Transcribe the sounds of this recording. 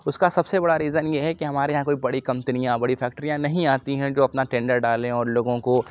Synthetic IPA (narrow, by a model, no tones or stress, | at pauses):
ʊskasɐbsebɐɽaɾiːzənjeɦɛkiɦɐmaːɾeɦãkoːibɐɽikɐmt̪ɪnijãbɐɽifʰɛːk̚ʈɾijãnɐɦĩaːt̪iɦɛ̃d͡ʒoːɐpnaʈɛ̃ːɳɖəɾɖaːlẽɔːɾloːɡõko